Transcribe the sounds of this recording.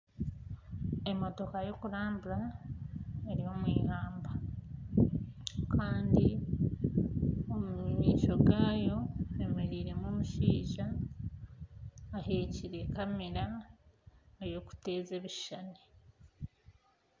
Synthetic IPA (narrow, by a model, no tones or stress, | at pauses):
e̞mo̞to̞kajo̞kuɾaːmbuɾa | eɾio̞mwiːhaːmba | kʰaːndi | omuɲiːʃo̞ɡaːjo̞e̞me̞ɾiːɾe̞momuʃiːʒa | heːciɾe̞kameɾa | ejo̞ku̥te̞ːze̞βiʃane